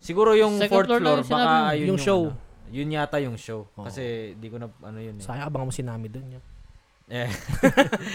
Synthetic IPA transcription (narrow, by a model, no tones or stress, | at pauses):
sɪɡuːɾojʊŋfoɹt̪floɾbɐkaɐjʊjʊŋʃowjʊnjaːt̪ɐjʊŋʃowkɐsɛnd̪ikonɐɐ̰nojʊnsaːjɐɐbɐŋɐmosɪnaːmɪd̪onjʊ | ʔɛ